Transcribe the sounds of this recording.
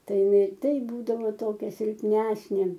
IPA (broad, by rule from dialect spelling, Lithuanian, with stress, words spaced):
ˈtɐɪ ɪˈnɐɪ ˈtɐɪp ˈbuːdɐʋoː ˈtoːkʲɛ sʲɪlʲpʲˈnʲæːsʲnʲeː